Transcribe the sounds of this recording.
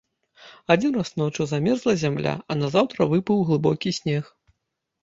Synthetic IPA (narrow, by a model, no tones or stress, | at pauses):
ad͡zʲinrasnɔwt͡ʂɨzamʲɛrzlˠɐzʲamlʲa̰ʔɐnɐzawt̪ɾɐvɨpɨwɣlˠɨbɔkʲisʲnʲɛx